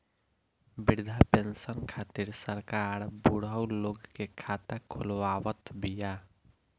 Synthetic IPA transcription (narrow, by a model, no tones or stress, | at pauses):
biɾd̪ʱapensənkʰat̪iɾsəɾkaɾbuɽəwloɡkekʰat̪akʰolwawət̪bija